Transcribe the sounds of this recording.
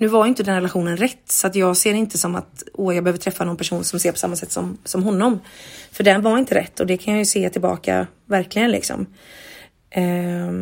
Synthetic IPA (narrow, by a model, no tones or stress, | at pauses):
nʉ̟ːvaɾjʏʏnt̪əd̪ɛnɾɛlaɧuːnənɾɛt̪ːsɔat̪jɑːɡseːɾɪnt̪əsɔma̰t̪ojɑːɡbɛøːvəɾʈʰɾɛfːanɔnpʰæʂuːnsɔmseːɾpʰɔ̥samːasɛt̪ːsɔ̰msɔmɦɔnːɔmfœɖɛnvaɾɪnt̪əɾɛ̰t̪ʰːɔd̪ɛkʰanjajɵseːt̪ʰɪlbɑ̰ːka̰ | væɾklɪɡənlɪ̰ksɔ̰m | ʔ